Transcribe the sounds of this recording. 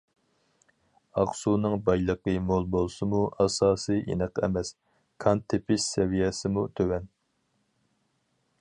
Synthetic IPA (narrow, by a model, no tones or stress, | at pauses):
ɑχsunɨŋbɑjlˠəqəmolˠbolˠsɨmuɑsɑːsɨʔḭnəqɛ̰mɛs | kʰɑnt̪ʰːepʰɪʃsɛvijɛsɪmut̪ʰøwɛn